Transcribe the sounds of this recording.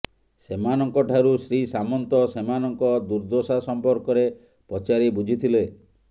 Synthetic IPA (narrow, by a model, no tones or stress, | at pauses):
semanɔŋkɔʈʰaɾusɾisamɔnt̪ɔsemanɔŋkɔd̪uɾd̪osasɔmpɔɾkɔɾe | pɔt͡ʃaɾibud͡ʒʱit̪ʰile